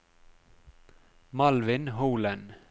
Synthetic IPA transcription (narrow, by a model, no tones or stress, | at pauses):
mɑlʋɪnhuːlən